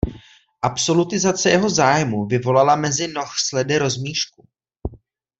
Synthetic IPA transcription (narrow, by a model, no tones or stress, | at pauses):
ʔapso̞lut̪ɪzat͡sɛjɛɦo̞zaːjmuvɪvo̞lalamɛzɪno̞xslɛdɪɾo̞zmiːʃku